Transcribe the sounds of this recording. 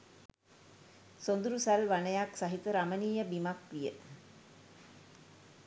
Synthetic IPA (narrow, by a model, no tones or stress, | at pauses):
sond̪uɾusælʋanəjaksaɦit̪əɾaməniːjəbimakʋijə